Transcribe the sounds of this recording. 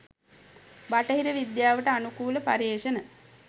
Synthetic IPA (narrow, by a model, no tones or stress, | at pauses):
baʈəɦiɾəʋid̪jaːʋəʈəanukuːləpa̰ɾeːʃənə